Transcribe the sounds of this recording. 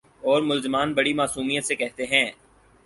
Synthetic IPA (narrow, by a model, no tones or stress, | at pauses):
ɔːɾmʊlzɪmaːnbɐɽimaːsuːmijət̪sekɛɦt̪eɦɛ̃ː